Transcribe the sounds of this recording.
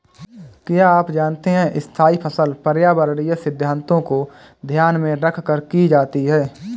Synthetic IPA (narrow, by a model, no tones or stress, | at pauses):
kjaaːpd͡ʒaːnt̪eɦɛ̃ʔɪst̪ʰaːipʰəsəlpəɾjaːbəɾɽijəsɪd̪ʱjaːnt̪õko | d̪ʱjaːnmẽɾəkʰkəɾkid͡ʒaːt̪iɦɛː